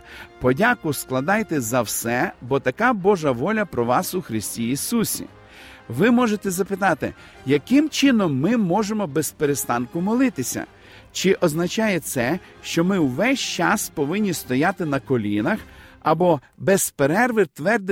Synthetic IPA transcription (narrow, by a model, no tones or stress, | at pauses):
pɔdʲakʊsklˠɐd̪ɑjt̪ɛzɐwsɛbɔt̪ɐkabɔʒɐʋɔlʲɐpɾɔʋɑsʊxɾɪsʲtʲiisusʲḭ | ʋɪmɔʒet̪ɛzɐpɪt̪ɑt̪ɪ̰ | jɐkɪmt͡ʃɪnɔmːɪmɔʒemɔbespeɾest̪ɑnkʊmɔlˠɪt̪ɪsʲɐ̰ | t͡ʃɪʔɔznɐt͡ʃɑjɛt̪sɛ | ʃt͡ʃɔmɪwʋɛsʲt͡ʃɑspɔʋɪnʲːist̪ɔjat̪ɪnɐkɔlʲinɐxɐbɔ | bɛspeɾɛrʋɪrt̪ʋɛrd̪ɪ